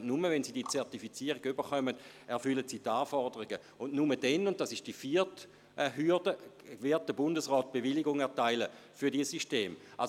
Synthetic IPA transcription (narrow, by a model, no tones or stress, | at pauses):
numəvɛnsiːdiːət͡sɛɐtifit͡siəʁiɡybəχœməd̥ | ɛɐfʏlətsiːtaːfɔʁdəʁiɡə | ʊnnumədɛnʊnt̚d̥asɪʃd̥ifiɐt | ɦyɐd̥ə | vɪɐt̚d̥əbʊndəsʁɔːt̚b̥eviliɡʊŋɛɐtaɪləfyɐdiəsyʃteːmʔal